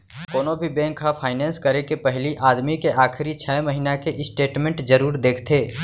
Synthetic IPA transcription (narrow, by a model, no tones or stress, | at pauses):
koːnõbʱibɛ̃ːŋkːapʰaːɪnɛ̃ːnskɐɾekepɛɦliʔaːd̪mikeʔaːxʰɪɾit͡ʃʰɛːmɐɦinakeʔɪsʈeːʈmẽɳʈd͡ʒɐɾuːɾd̪eːkʰt̪ʰeː